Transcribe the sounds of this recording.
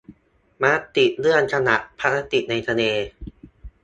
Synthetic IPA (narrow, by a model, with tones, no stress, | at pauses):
maː˧˥t̪i˨˩t̪̚lɯ˥˩ənkʰa˧na˨˩ʔ̪pʰa˦˥ɾa˧˥t̪i˨˩ʔ̚na˧jt̪ʰa˧neː˧